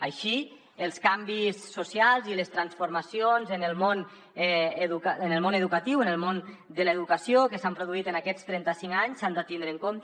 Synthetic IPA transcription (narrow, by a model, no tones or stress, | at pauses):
aʃi | əlˠskambisːusialˠziləst̪ɾansfuɾmasionzənəlˠmon | ɛeðukənəlˠmonəðukət̪iwənəlˠmond̪ələeðukəsiokəsampɾuðuit̪ənakɛst̪ɾɛnt̪əsiŋaɲsand̪at̪ind̪ɾəŋkomt̪